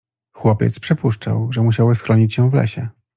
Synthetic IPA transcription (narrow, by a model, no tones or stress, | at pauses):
xwɔpʲɛ̰t̪spʂɘpuʂt͡ʂa̰wʐɛmuɕ̬awɘsxɾɔɲit͡ɕjɛ̃w̃vlɛ̰ɕɛ